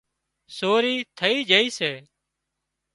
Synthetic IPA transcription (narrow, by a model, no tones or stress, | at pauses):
soːɾiːt̪ʰəiːd͡ʒəiːseː